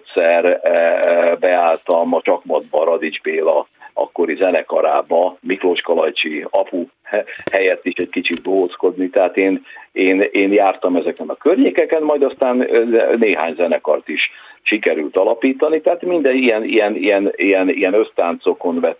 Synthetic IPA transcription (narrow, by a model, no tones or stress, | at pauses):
t̪sɛr | bɛaːlt̪ɒmɒt͡ʃɒkmɒd̪̚bɒɾɒd̪id͡ʒbeːlɒɒ̰kːo̞ɾizɛnɛkɒɾa̰ːbɒmikloːʃkɒlɒjt͡ʃiɒpu | hɛjɛt̪ːiʃɛɟkit͡ʃit̪̚boɦoːsko̞d̪nit̪ɛɦaːt̪eːneːneːnjaːrt̪ɒmɛzɛkɛnɒkørɲeːkɛkɛnmɒjd̪ɒst̪aːnneːɦa̰ːɲzɛnɛkɒrt̪iʃʃikɛɾylt̪ɒlɒpiːt̪ɒnit̪ɛɦat̪mind̪ɛijɛnijɛnḭjɛnijɛnḭjɛnø̞st̪aːnt̪so̞ko̞nvɛt̪ː